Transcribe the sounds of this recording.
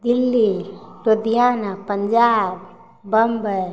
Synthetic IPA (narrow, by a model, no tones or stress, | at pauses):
d̪ilːiɾod̪ijaːnapəɲd͡ʒaːb̚ | bəmbʱəj